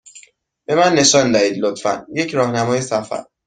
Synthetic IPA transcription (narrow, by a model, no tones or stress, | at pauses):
b̥e̞mænːe̞ʃɒːnd̪æiːd̪lot̪fæ̰nje̞cʰɾɒːhnæmɒːjesæfæ̰ɾ